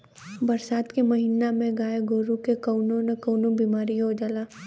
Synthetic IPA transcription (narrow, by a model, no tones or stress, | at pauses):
bɐɾsaːt̪kemɐɦiːnamẽɡaːeɡoːɾukekɐʊnõnɐkɐːnobiːmaːɾiɦod͡ʒalaː